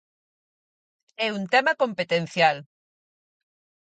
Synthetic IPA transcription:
ɛunt̪ɛmɐkompet̪en̟θjal

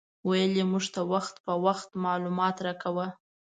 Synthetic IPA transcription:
wajəlimuʐt̪awaxt̪pəwaxt̪mɑlumɑt̪ɾɑkawə

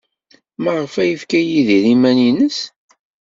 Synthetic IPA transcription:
mæʁəfæjəfkæjiðiɾimæninəs

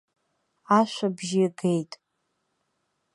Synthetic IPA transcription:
aʃʷabʒɪɡe̞jtʼ

